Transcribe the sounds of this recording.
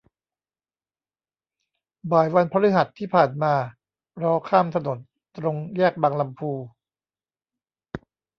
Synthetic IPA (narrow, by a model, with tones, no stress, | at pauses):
baː˨˩jwa˧npʰa˧ɾɯ˦˥ɦa˨˩t̪ʰːiː˥˩pʰaː˨˩nmaː˧ | ɾɔː˦˥kʰaː˥˩mt̪ʰa˧no˨˩˦n | t̪ɾo˧ŋjɛː˥˩k̚baː˧ŋla˧mpʰuː˧